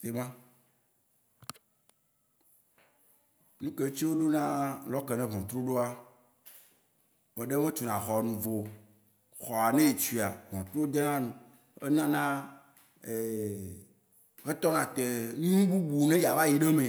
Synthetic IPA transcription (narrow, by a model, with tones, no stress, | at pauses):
te˨mã˦ | nũ˦ke˨˦t͡ɕi˦wo˦ɖo˦nã˦lɔ˦ke˨nɛ̃˦ɦɔ̃˨t̪ɾo˦ɖo˦a˦ | mẽ˨ɖe˦mẽ˦t͡ʃu˨nã˨xɔ˨nũ˨vo˨ | xɔ˨a˨nɛ̃˦e˨t͡ʃi˨a˨vɔ̰̃˨t̪ɾo˦d̪e˦nã˦nũ˨ | e˦nã˦nã˦ | e˨ | ɣe˦t̪ɔ˦nã˨t̪e˨nũ˦ũ˦ɡu˦bu˨nẽ˦ja˨va˦je˨ɖe˦mẽ˨